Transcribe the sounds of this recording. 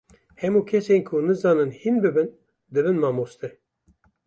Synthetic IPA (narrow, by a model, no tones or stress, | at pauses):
hɛmuːkʰɛseːnkʰʊnɨzɑːnɨnhinbɨbɨn | d̪ɨbɨnmaːmoːst̪ɛ